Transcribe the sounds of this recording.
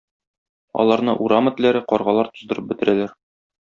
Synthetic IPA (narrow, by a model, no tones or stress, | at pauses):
ɒ̰lˠɑɾnɤʔuɾamə̆t̪læɾɘqɒɾʁɑlˠɑɾt̪ŏzd̪ɤ̆ɾɤp̚bɘ̆t̪ɘ̆ɾælæɾ